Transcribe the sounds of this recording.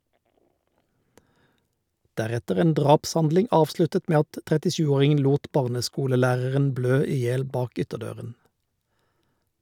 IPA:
ˈdæʁɛtəʁ ˈeːn ˈdʁɑːpsˌhɑndlɪŋ ˈɑːʋˌslʉtət ˈmeː ˈɑt tʁɛtɪˈʃʉːˌoːʁɪŋən ˈluːt ˈbɑːʁnəˌskuːləˌlæːʁəʁən ˈbløː ˈiː ˈjeːl ˈbɑːk ˈʏtəˌdøːʁən

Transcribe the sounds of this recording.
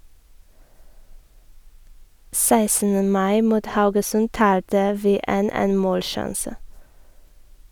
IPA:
ˈsæɪsn̩ə ˈmɑɪ ˈmuːt ˈhɑʉɡəsʉn ˈtɑːltə ˈʋiː ˈeːn ˈeːn ˈmoːlˌʃɑnsə

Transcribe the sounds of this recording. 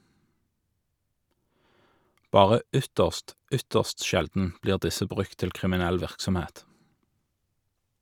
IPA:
ˈbɑːʁə ˈʏtəʁst ˈʏtəʁst ˈʃɛldn̩ ˈbliːʁ ˈdɪsə ˈbʁʉk ˈtɪl kʁɪmɪˈnɛl ˈʋɪʁksɔmˌheːt

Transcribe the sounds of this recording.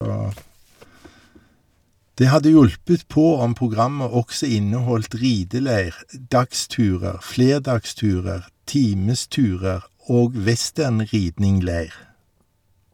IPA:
ˈdeː ˈhɑdə ˈjʊlpət ˈpoː ˈɔm pʁʊˈɡʁɑmə ˈɔksə ˈɪnəˌhɔlt ˈʁiːdəˌleɪʁ ə ˈdɑkˌstʉːʁəʁ ˈfleːʁdɑkˌstʉːʁəʁ ˈtiːməˌstʉːʁəʁ ˈoːɡ ˈʋɛˌstæʁnˌʁiːdnɪŋˌleɪʁ

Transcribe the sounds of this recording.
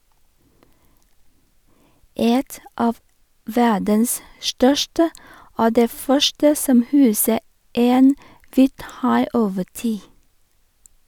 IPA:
ˈɛt ˈʔɑːʋ ˈʋædəns ˈʃʈœʃʈə ˈoː ˈdeː ˈfœʃʈə ˈsɔm ˈhʉːsə ˈeːn ˈʋiːtˌhɑɪ ˈoːʋə ˈtiː

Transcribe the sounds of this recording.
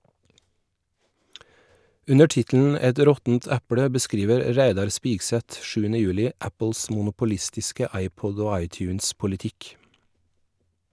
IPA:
ˈʉnə ˈʈɪtln̩ ˈɛt ˈɾɔtn̩t ˈæpɽə bəˈskɾiːʋəɾ ˈɾæɪdɑɾ ˈspiːɡsɛt ˈʃʉːənə ˈjʉːlɪ ˈʔæpl̩s mʊnʊpʊˈlɪstɪskə ˈɑɪˌpɔd ˈoː ˈɑɪˌtjʉːnspʊlɪˌtɪk

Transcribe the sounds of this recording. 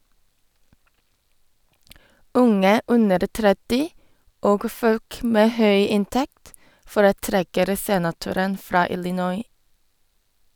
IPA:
ˈʊŋə ˈʉnəɾ ˈtɾɛtɪ ˈoːɡ ˈføːk ˈmeː ˈhœʏ ˈɪnˌtɛkt fɔɾəˈtɾɛkəɾ ˈseːnɑˌtʉɾən ˈfɹɑː ɪlɪˈnɔʏ

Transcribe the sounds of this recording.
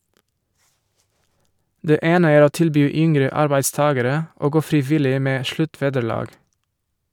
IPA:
ˈdeː ˈeːnə ˈæːɾ ˈoː ˈtɪlbyː ˈʏŋɾə ˈɑɾbæɪdˌstɑːɡəɾə ˈoː ˈɡoː fɾɪˈʋɪlɪ ˈmeː ˈʃlʉˌtʋeːdəˌɭɑːɡ

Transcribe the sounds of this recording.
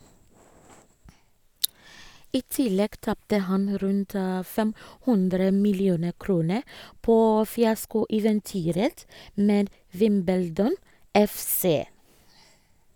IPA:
ˈiː ˈtɪlɛɡ ˈtɑptə ˈhɑn ˈɾʉnt ə ˈfɛm ˈhʉndɾə mɪlɪˈuːnə ˈkɾuːnə ˈpoː fɪˈɑskʊɛʋɛnˌtyːɾət ˈmeːd ˈʋɪmbəldɔn ˈɛfˌseː

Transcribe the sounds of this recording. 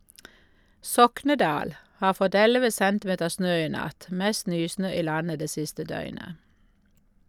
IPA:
ˈsɔknəˌdɑːl ˈhɑːʁ ˈfɔt ˈɛləʋə ˈsɛntˌmeːtəʁ ˈsnøː ˈiː ˈnɑt ˈmɛst ˈnyːˌsnøː ˈiː ˈlɑnə ˈdeː ˈsɪstə ˈdœʏnə

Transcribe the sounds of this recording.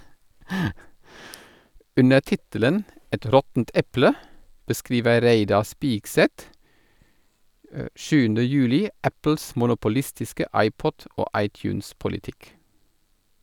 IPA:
ˈʉnə ˈtɪtələn ˈɛt ˈɾɔtn̩t ˈɛplə bəˈskɾiːʋə ˈɾeɪdɑ ˈspiːɡˌsɛt ə ˈʃʉːn̩də ˈjʉːlɪ ˈæpl̩s mʊnʊpʊˈlɪstɪskə ˈɑɪˌpɔt ˈoː ˈɑɪtˌçʉːnspʊlɪˌtɪk

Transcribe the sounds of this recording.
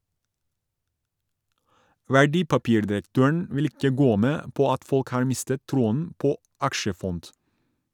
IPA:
ʋæˈɖiːpɑˌpiːɾdɪɾəkˌtøːəɳ ˈʋɪl ˈɪkə ˈɡoː ˈmeː ˈpoː ˈɑt ˈfɔlk ˈhɑːɹ ˈmɪstət ˈtɾuːən ˈpoː ˈɑkʃəˌfɔnt

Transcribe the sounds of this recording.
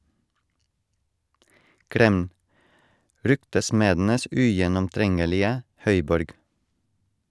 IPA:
ˈkɾɛm ˈɾʏktəˌsmeːdn̩əs ˈʉjɛnɔmˌtɾɛŋəlɪə ˈhœʏˌbɔɾɡ

